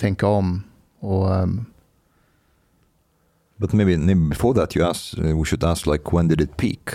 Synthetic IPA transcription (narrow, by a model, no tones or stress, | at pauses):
t̪ʰɛŋkəɔm | ɔ | bʌt̪meɪbinɛɪbɪfɔɹðæt̪ʰjɨæswiʃɨd̪æsklaɪkʰwɛ̃nd̪ɪdɪt̪̚pʰḭːk